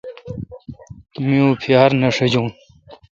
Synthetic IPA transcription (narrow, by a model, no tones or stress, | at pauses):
miũːpʰijaːɾnɐʂed͡ʑuːn